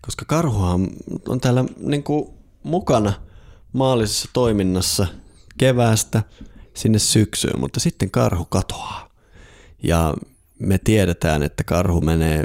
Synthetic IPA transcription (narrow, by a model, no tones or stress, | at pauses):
koskɑkɑrhuhɑmo̰nt̪æːlːæniŋku | mukɑnɑ | mɑːlːisesːɑ̥t̪oiminːɑsːɑkeʋæːst̪æsinːessyksy̰ːmmʔṵt̪ːɑsit̪ːeŋkɑ̰rhukɑt̪o̥ɑ̥ː | jɑ̰ | met̪ieɾet̪æ̰ːnḛt̪ːækɑrhumeneː